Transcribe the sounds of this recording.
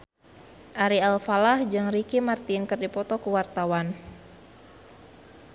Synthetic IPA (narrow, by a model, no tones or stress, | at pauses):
ʔaɾialfalahd͡ʒɨŋɾikimart̪inkɨrdipɔt̪ɔkuwart̪awan